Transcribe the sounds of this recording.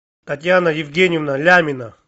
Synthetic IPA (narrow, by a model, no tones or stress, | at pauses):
t̪ɐt̪ʲjanɐjɪvɡʲenʲɪivnɐlʲamʲɪnɐ